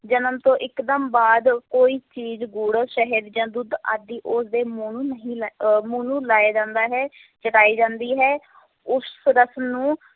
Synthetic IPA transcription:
d͡ʒənəmt̪õːʔɪkd̪əmbaːd̪koːiːt͡ʃiːzɡuːɽʃəɦəɾd͡ʒãːd̪ʊd̪a̰ːd̪iːʔʊsd̪eːmuːnuːnəɦĩːmuːnũːlaːjaːd͡ʒãːnd̪aːɦɛː | t͡ʃəʈaːiːd͡ʒãːnd̪iːɦɛː | ʊsɾəsnũː

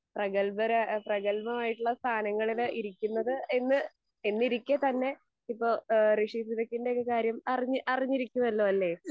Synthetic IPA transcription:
prɐɣɐlbɐɾaprɐɣɐlbɐmaːjiʈːuɭːɐst̪ʰaːnɐŋːɐɭiliɾikʲːunːɐðɨenːɨ | enːiɾikʲːet̪ɐnːe̞ | ipːo̞ːɾeʂisiðɐkːinde̞okːekaːɾjɐmɐriɲːɨʔɐriɲːiɾikʲːumɐlːoːɐlːe̞

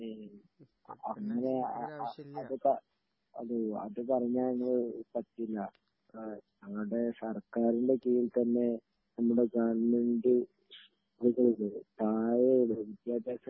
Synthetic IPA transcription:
ɐŋːɐne̞ | ɐðɨpɐ | ɐ̰ðɨɐ̰ðɨpɐrɐɲːaːɭeŋːɐɭɨpɐt̪ːilːɐ | ɐʋɐɽe̞sɐrkaːɾinɖe̞kijilt̪ɐnːe̞ | nɐmːuɽe̞ɡaːɳmeɳɖɨ | ðukɐɭuðɨt̪aːjelobikʲːaːd̪eːsɐ

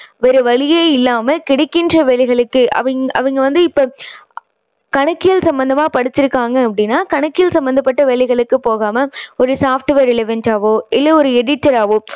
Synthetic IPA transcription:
ʋɛɾɯʋɐɭɪjeːɪlːaːmɐkɪɽɐkːɪndrɐʋɛɭɪɣɐɭɯkːɯʔɐ̰ʋɐŋɐ̰ʋɐŋɡɐʋɐnd̪ɯɪpːoː | kɐɳɐkːɪjɐlsɐmbɐnd̪ɐmaːpɐɽɪt͡ʃːɪɾɯkːaːŋɡɐɐpːɐɽɪnːaːkɐɳɐkːɪjɐlsɐmbɐnd̪ɐpːɐʈːɐʋɛɭɪɣɐɭɯkːɯpoːɣaːmɐɔɾɯsaːfʈɯʋeːɾɛlɪʋɐɳʈaːʋoɪlːɐɔɾɯɛɽɪʈːɐɾaːʋɯ

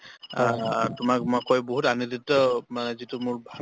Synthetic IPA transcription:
tʊmak̚makːɔjboɦutaniditːɔmanɛzitumʊɹbʱa

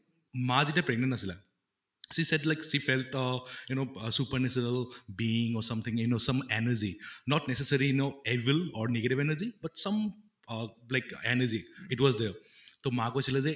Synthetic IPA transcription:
mãd͡ʒiʈapɾeɡ̚nẽnːɐsila̰ | sisedlaɪksifelʈjunosupəɾnesɔnəlbiĩŋɔɾsɐ̃mt̪ʰĩŋjunosɐ̃menəɾd͡ʒinɔʈnesesəɾijnoeʋilɔɾneɡeʈivenəɾzibɐʈsɐ̃m | laɪkenəɾd͡ʒiitwɔzd̪eɾt̪omakosilaze

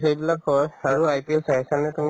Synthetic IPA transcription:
ejbilakhɔjaɹuajpilsajkanɛtumi

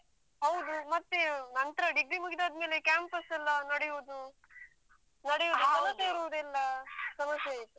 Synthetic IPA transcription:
ɦɐwd̪umɐt̪ːenɐnt̪ɾɐɖiɡɾimuɡid̪aːd̪me̞ːlekʲaːmpɐsɛlːɐnɐɽejuːd̪u | nɐɽejoːd̪usɐmɐseiɾuʋd̪ɛlːɐsɐmɐsjejt̪ːu

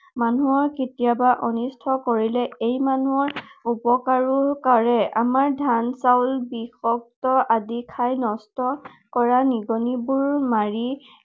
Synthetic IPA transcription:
manuɔketijabaʔɔnistʰɔkoɹilɛejmanuɔɹupɔkaɹʊkaɹɛa̰maɹdʱansawlbixɔk̚tɔʔadikʰajnɔstɔ | kɔɹaniɡɔnibuɹmaɹi

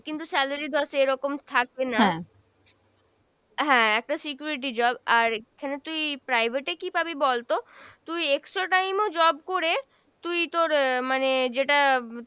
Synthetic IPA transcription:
kint̪usɛlaɾid̪ʱɔʃeeɾɔkomt̪ʰak̚bena | ɦɛ̃ɛk̚ʈasikjuɾiʈ̬id͡ʑɔbaɾekʰanet̪ujpɾajbʱeʈekipabibɔlt̪ot̪ujeksʈɾaʈajmod͡ʑɔb̚koɾe | t̪ujt̪oɾmaned͡ʑeʈa

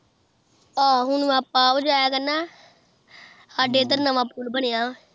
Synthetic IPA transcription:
aːɦʊnʋãːpːaːəd͡ʒaːjaːkənːaː | saːɖeːt̪əɾnəʋãːpuːlbənɪjãː

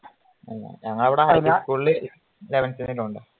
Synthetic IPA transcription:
ɐlːɐ̰ɲɐŋːɐɭɐʋiɽeɦɐjnːikuɭːɨ | leʋɐnsinːiluɳɖɨ

